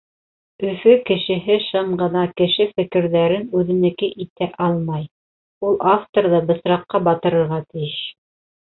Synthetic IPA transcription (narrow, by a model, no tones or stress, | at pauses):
ɵ̆fɵkɘ̆ʃɘ̆ɦɘʃɤɴɢɤ̆nɑkɘ̆ʃɘfɘ̆kɘ̆ɾðæɾɘnʉðɘ̆nɘ̆kɘʔit̪æʔɑlˠmɑj | ulˠʔaft̪oɾðɤbɤ̆sɾɑqːɑbɑt̪ɤ̆ɾɤ̆ɾʁɑt̪ɘ̆jɘʃ